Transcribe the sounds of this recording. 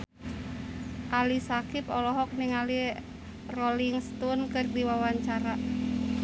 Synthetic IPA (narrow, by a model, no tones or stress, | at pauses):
ʔalisakipɔlɔɦɔk̚niŋali | rɔliŋst̪unkɨrdiwawaɲt͡ʃaɾa